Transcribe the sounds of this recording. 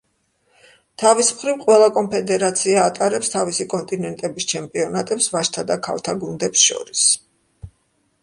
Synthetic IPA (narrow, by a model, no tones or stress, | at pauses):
t̪ʰavismχɾivqʼwɛlˠakʼɔmpʰɛd̪ɛɾat̪sʰiaːt̪ʼaɾɛpst̪ʰavisikʼɔnt̪ʼinɛnt̪ʼɛbist͡ʃʰɛmpʼiɔnat̪ʼɛpsvaʃt̪ʰad̪akʰa̰lˠt̪ʰaɡund̪ɛpsʃɔ̰ɾis